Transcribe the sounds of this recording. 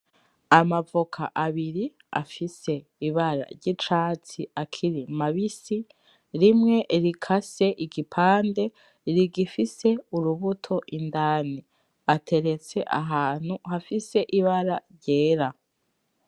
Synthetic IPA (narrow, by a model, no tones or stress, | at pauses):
amavokʰa̰ʔaβiɾi | a̰fise̞iβaɾa̰ɾɟit͡ʃaːt͡siakʰiɾimaβisi | ɾimŋe̞ɾikʰase̞ʔiɡipʰaːnde̞ | ɾiɡifise̞uɾuβutʰo̞ʔindaːni | atʰe̞ɾe̞t͡se̞ʔa̰ɦaːn̥uhafise̞ʔiβaɾaɾɟeːɾa